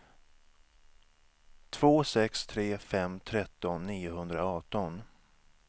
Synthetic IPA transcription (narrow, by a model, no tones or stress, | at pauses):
t̪ʰv̥oːsɛkst̪ʰɾeːfɛmt̪ʰɾɛt̪ːɔnːiːʊɦɵnd̪ɾaɔːʈɔn